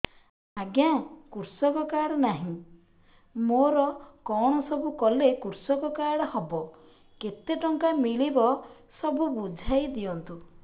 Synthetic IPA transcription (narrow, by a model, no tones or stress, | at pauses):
aɡjãkuɾsɔkɔkaɽɔnaɦĩ | moɾɔkɔɽ̃ɔsɔbukɔlekuɾsɔkɔkaɾɔhɔbɔ | ket̪eʈɔŋkamiɭibɔ | sɔbubud͡ʒʱajd̪iɔnt̪u